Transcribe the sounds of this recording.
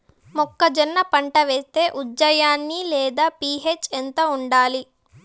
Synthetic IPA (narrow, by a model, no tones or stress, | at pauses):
mɔkːɐd͡ʒɐnːɐpɐɳʈɐʋeːst̪e̞ːʔud͡ʒːɐjaːnːilɛːd̪aːpiːɦet͡ʃːent̪ɐuɳɖaːli